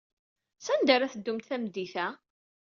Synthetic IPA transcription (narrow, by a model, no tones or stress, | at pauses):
sænd̪aɾaθəd̪ːʊmt̪θæmd̪ːiθæ